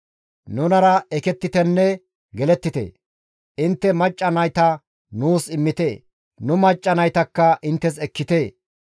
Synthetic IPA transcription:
nʊnɐɾɐɛkɛt̪ːɪt̪ɛnːɛ | ɡɛlɛt̪ːɪt̪ḛː | ʔɪnt̪ːɛmɐt͡ʃʼːɐnɐjt̪ɐ | nuːsɪmːɪt̪eː | nʊmɐt͡ʃʼːɐnɐjt̪ɐkːɐʔɪnt̪ːɛs̬ɛkːɪt̪eː

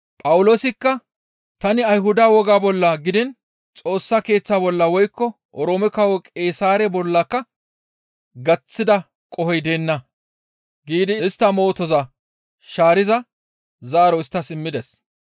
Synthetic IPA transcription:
pʼɐwʊlo̞ːsɪkːɐ | t̪ɐnɪɐjɦʊd̪aːwɔɡaːbɔlːɐɡɪd̪ɪn | t͡sʼo̞ːsːake̞ːt͡sːaːbɔlːɐwɔjkːɔ | ʔɔɾoːmɪkɐwɔkʼe̞ːsaːɾɛbɔlːɐkːɐ | ɡɐt͡sːɪd̪ɐ | kʼɔhɛjd̪e̞ːnːɐ | ɡiːd̪ɪɪst̪ːɐmo̞ːt̪ɔzɐ | ʃaːɾɪzɐ | zaːɾɔɪst̪ːɐsɪmːɪd̪ɛs

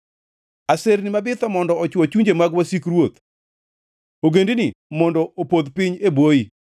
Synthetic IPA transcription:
aseɾnɪmabɪt̪ɔmɔndɔɔt͡ʃwɔt͡ʃuɲd͡ʒemaɡwasikɾwot̪ | oɡendinimɔndɔopod̪piɲebwoji

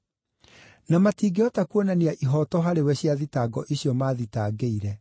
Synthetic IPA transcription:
namatiːɡeɔtakuonaneaʔiɦɔtɔɦaɾewɛɕjaðitaːɡɔʔiɕjɔmaːðitaːɡeiɾɛ

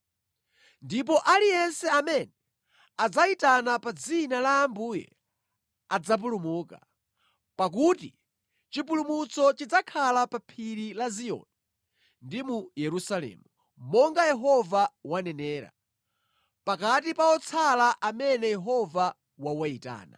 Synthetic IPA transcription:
ndip̬ɔʔalijɛnsɛamɛnɛ | ad͡zaitanapad͡zinalaːmbuːjɛ̰ | ad͡zap̬ulumuːka | pak̬uti | t͡ʃipulumut͡sɔt͡ʃid͡zakʰalapapʰiɾilaziɔ̰ni | ndimujɛɾusalɛ̰ːmu | mɔŋɡajɛɦɔvawanɛnɛːɾa̰ | pakatipaɔt͡sʰalaʔamɛnɛjɛɦɔva | wawaita̰ːna̰

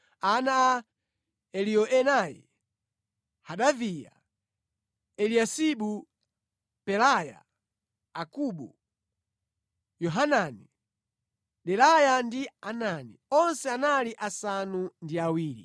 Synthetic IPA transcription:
anaː | ɛlijɔʔɛnajɛ̰ | haɗavija̰ | ɛliasiɓu | pɛlaja̰ | akuɓu | jɔɦanani | ɗɛlajandiananiɔnsɛanaliʔasanundiawiːɾḭ

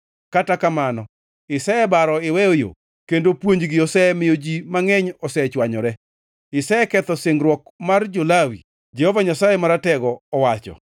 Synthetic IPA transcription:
katakamanɔ | ɪsɛɛbaɾɔɪwɛojo̰ | kendopwoɲd͡ʒɡɪɔsɛmɪjod͡ʒimaŋɛɲɔsɛt͡ʃwaɲɔɾɛ | ɪsɛɛkɛt̪ɔsɪŋɾwɔkmard͡ʒolawḭ | d͡ʒɛhɔvaɲasajɛmaɾatɛɡɔːwat͡ʃɔ̰

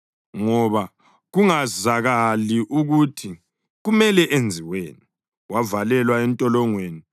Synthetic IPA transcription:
ŋɔβa | ɣuŋazaɣaliʔuɣutʰi | ɣumɛlɛʔend͡zʱiweːni | wavalɛlwaɛntʼɔlɔŋweːni

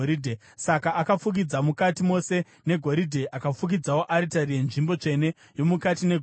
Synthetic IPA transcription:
ɾidʱe | sakaʔakafuk̬id͡zamukatimo̞se̞ | ne̞ɡʱo̞ɾidʱe̞ʔakafuk̬id͡zawo̞ʔaɾitarije̞nʐimbo̞t͡ʂe̞ne̞ | jo̞mukatine̞ɡʱ

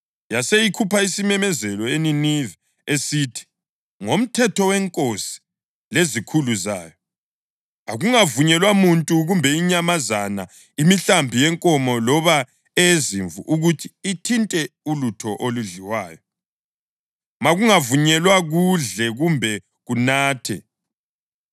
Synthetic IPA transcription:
jasejikʰupʰaisimɛmɛzɛlɔeninivɛ | esitʰi̥ | ŋom̩tʰɛtʰɔwɛŋkʼosi̥ | lezikʰuluza̰ːjɔ | aɣuŋavuɲɛlwamuntʼuɣumbʱɛiɲamazana | imiɬambʱijɛŋkʼɔmɔlɔβa | ɛjeziɱvṵʔuɣutʰi̥ːtʰintʼɛulutʰɔʔoluɮiwaːjɔ | maɣuŋavuɲɛlwaɣuɮɛɣumbʱɛ | ɣunaːtʰɛ̰

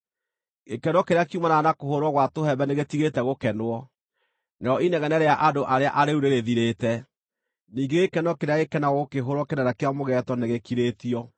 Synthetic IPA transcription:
ekɛnwɔkeɾeakiumananakohoɾwɔɣwatohɛbɛneɣetiɣetɛɣokɛnwɔ | neɔʔinɛɣɛnɛɾeaʔadoʔaɾea̰ʔaɾeuɾeɾeðiɾeːtɛ | niːŋɡeekɛnɔkeɾeaɣekɛnaɣɣokeɦoɾɔkenɛɾakeamoɣɛtɔneɣekiɾetiɔ

